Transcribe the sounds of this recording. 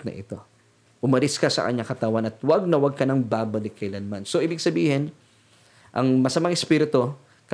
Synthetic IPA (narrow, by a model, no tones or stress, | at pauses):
nɐ̰ʔɪ̰t̪o̞ | ʔʊmɐlɪskɐsɐ̰kɐ̰ɲakɐt̪awanɐt̪waɡ̚nɐwɐɡ̚kɐnɐŋbaːbɐlɪkːɐɪlanɐmansoʔiːbɪɡ̚sɐbiːhɪn | ʔɐŋmɐsɐmaŋɛspiːɾɪt̪o̞ | k